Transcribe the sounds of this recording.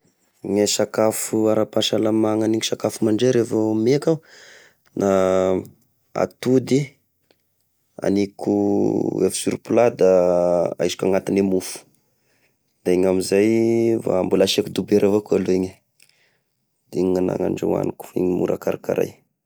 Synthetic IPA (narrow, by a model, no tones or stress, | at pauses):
ŋesakafuaɾapaʃalamaŋaniŋisakafumaɳɖ͡ʐeɾevomeka | nʔa | a̰t̪ud̪i | a̰nikuefi̥suɾupulad̪aajsi̥kʲaŋat̪inemufu̥ | d̪̥aeɲamizajva̰mbulaʃekud̪ubeɾʔavakalueɲe | d̪̥iɲiŋana̰ŋa̰ɳɖ͡ʐa̰wa̰niku̥ḭɲimṵɾʔa̰kaɾaka̰ɾa̰j